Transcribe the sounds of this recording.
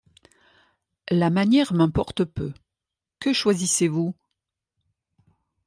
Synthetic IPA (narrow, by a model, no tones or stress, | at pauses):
lamanjɛʁmɛ̃pɔʁt̪pø̰ | kəʃwazisevu